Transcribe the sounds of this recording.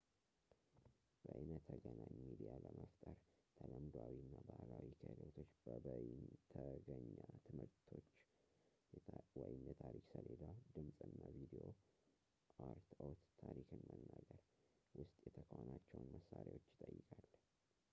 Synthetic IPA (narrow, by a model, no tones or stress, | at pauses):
b̥əʔɨnət̪ʰːəɡənaɲmid̪ijaləməft̪ʼəɾt̪ʰələmd̪wawinːabahlawikʰəlot̪ʰo̞t͡ʃːb̥əbnt̪ʰəɡəɲːat̪ʰɨmɨɾt̪ʰo̞t͡ʃː | wɔjɪmjɛt̪ʰaɾiksəled̪awd̪ɨmsʼɨnːavid̪eo̞ | aɾt̪ʰowt̪ːʰaɾikɨnːənːəɡəɾwʊst̪ʼjɛt̪ʰəkʰəonat͡ʃːɛwnməsːaɾawo̞t͡ʃːɪ̥t̪ʼəjːɪkʰʼalː